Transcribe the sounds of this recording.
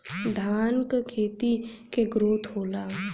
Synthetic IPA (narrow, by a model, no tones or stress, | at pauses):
d̪ʱaːnkkʰeːt̪ikeɡɾoːt̪ʰɦoːlaː